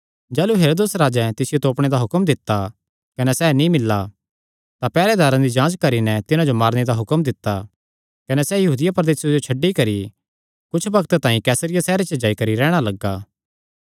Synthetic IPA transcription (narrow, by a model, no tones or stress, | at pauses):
d͡ʒɛːluɦeːɾoːd̪esɾaːd͡ʒɛt̪ɪsɪjot̪oːpɽ̃ed̪aɦʊkəmd̪ɪt̪ːa | kɐnɛsɛːnĩmɪlːa | t̪apɛːɾɛd̪aːɾãd̪id͡ʒãːd͡ʒkɐɾinɛt̪ɪnãd͡ʒomaːɾned̪aɦʊkəmd̪ɪt̪ːa | kɐnɛsɛjɐɦuːd̪ɪjapɾɐd̪eːsjed͡ʒot͡ʃʰɐɖːikɐɾi | kʊt͡ʃʰbɐkt̪t̪ãːĩkɛːsəɾɪjasɛːɾet͡ʃəd͡ʒaːikɐɾiɾɛːɽ̃alɐɡːaː